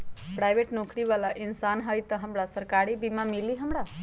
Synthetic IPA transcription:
pɾajʋeʈnokɾiʋalaʔinsanɦəjt̪əɦəmɽasəɾkaɾibimãmiliɦəmɽa

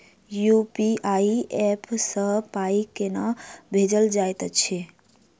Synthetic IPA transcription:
jupiaiepʰsə̃paikenabʱed͡ʒəld͡ʒajt̪ət͡ʃʰe

